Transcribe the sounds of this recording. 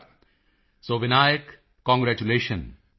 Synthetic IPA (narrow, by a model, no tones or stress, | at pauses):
soːʋɪnaːjəkː | ɔ̃ːŋɡɾæːt͡ʃuleːʃə̃n